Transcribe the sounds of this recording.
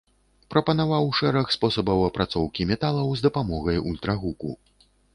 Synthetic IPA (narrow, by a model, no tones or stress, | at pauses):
pɾɐpɐnavawʂɛɾɐxspɔsɐbɐwɐpɾat̪sɔwkʲimʲɛt̪alˠɐwzd̪ɐpamɔɣɐjulʲt̪ɾɐɣukṵ